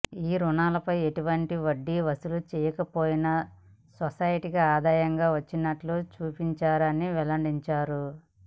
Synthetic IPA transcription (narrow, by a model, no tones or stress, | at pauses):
iːɾuɳaːlɐpɐje̞ʈuʋɐɳʈiʋɐɖːiʋɐsulut͡ʃɛːjɐkɐpoːjinɐ | sosaːjɐʈikiaːd̪aːjɐŋɡaːʋɐt͡ʃːinɐʈlut͡ʃuːpiɲt͡ʃaːɾɐniʋɛlɐɳɖiɲt͡ʃaːɾu